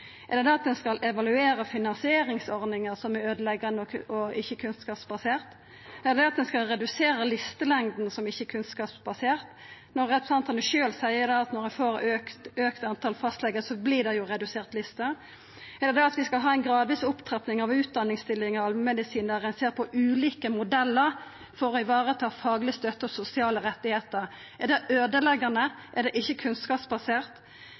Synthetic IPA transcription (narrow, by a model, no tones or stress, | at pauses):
ɛd̪ɛd̪ɛɑt̪̚d̪ɛnskɑlʔɛʋɑlʉeːɾəfɪnɑnsɪeːɾɪŋsɔɾnɪŋəɾsɔmɛøːd̪əlɛɡːɑnəɔɔɪçːəkʰʉnskɑːpsbɑseːʁt̪ | ɛlɛd̪ɛɑt̪̚d̪ɛnskɑlɾɛd̪ʉseːɾəlɪst̪əlɛŋd̪n̩sɔmɪçːəkʰʉnskɑːpsbɑseːʁt̪ | nɔʁɛt̪ːɔsɑnt̪ʰɑnd̪ʉʃøːlsæɪəd̪ɑɑt̪nɔʁɛfoːɾøkt̪øːkt̪ɑnt̪ʰɑlfɑst̪lɛɡəsɔbliːd̪ɛjʊʁɛd̪ʉseːʁt̪lɪst̪ə | ɛd̪ɛd̪ɛɑt̪ʋɪskɑlɦɑːɛɪnɡɾɑːd̪ʋiːsʊpt̪ʰʁɑpnɪŋɑʋʉːt̪̚d̪ɑnːɪŋst̪ɪlːɪŋəɑlmɛd̪ɪsiːnd̪ɛʁɛnseːʁpʰɔʔʉːliːkəmʊd̪ɛlːəʁ | fɔɾʁɔɪʋɑːʁət̪ʰɑːfɑːɡlɪst̪œt̪ːəɔsʊsɪɑːləʁɛt̪ːɪheːt̪əʁ | ɛd̪ɛʔøːd̪əlɛɡənə | ʔɛd̪ɛʔɪçːəkʰʉnskɑːpsbɑseːʁt̪